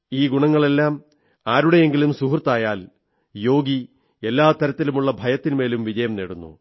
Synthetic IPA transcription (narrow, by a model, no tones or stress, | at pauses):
iːɡuɳɐŋːɐɭe̞lːaːm | aːɾuɽe̞je̞ŋɡilumsuɦrt̪ːaːjaːl | jo̞ːɡi | e̞lːaːt̪ɐɾɐt̪ːilumuɭːɐbʱɐjɐt̪ːinme̞ːlumʋid͡ʑɐjɐmneːɽunːṵ